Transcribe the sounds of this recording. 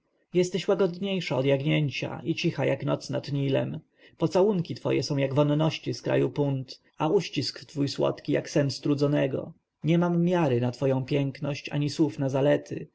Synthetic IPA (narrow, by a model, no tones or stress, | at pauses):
jɛst̪ɛɕwaɡɔd̪ɲejʂaɔd̪jaɡɲeɲt͡ɕa̰ʔit͡ɕixajaknɔ̰t̪sna̰t̪ɲilɛ̰m | pɔt̪sawuŋkʲit̪fɔ̰jɛ̰sɔ̃w̃jaɡvɔnːɔɕt͡ɕiskɾa̰jupunt̪ | auɕt͡ɕiskft̪fujswɔ̰t̪kʲija̰ksɛnst̪ɾud̪zɔnɛɡɔ̰ | ɲɛmamːʲjaɾɘnat̪fɔjɔ̃w̃pʲjɛŋknɔɕt͡ɕa̰ɲiswufnazalɛt̪ʰɘ̰